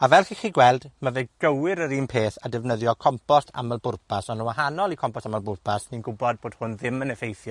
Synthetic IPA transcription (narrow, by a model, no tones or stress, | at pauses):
avɛlˠχiːχiːɡwɛlˠdmaveːɡ̥əwɪɾəɾiːnpʰeːθadɛvnəðjɔkʰɔmpɔstʰa̰məlˠbʊrpʰasɔnəwahanɔlˠikʰɔmpɔstaməlˠbʊrpʰasninɡʊbɔd̚boːd̥hʊnðɪmənɛfejθjɔ